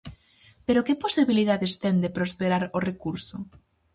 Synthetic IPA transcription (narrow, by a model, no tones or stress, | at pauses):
peɾokeposiβiliðaðest̪end̪epɾospeɾaɾorekuɾso